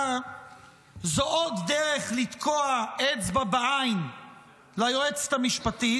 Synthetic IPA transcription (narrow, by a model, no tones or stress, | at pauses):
zoʔot̪deʁeχlit̪kʰoaet͡sbabaajn | lajoet͡st̪amiʃpat̪i